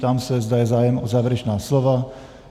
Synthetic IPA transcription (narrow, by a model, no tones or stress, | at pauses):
t̪amsɛzd̪ajɛzaːjɛmɔzaːʋɛɾɛt͡ʃnaːslɔʋa